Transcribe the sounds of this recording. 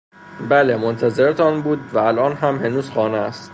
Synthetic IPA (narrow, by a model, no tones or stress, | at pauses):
bælemont̪ʰæze̞ɾet̪ʰɒːnbuːd̪væælʔɒːnɦæmhe̞nuːzxɒːneæst̪